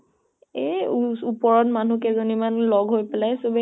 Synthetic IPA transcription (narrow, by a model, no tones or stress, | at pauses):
eupɔɹɔnmanukɛzonimanlɔɡɦojpɛlajsobɛ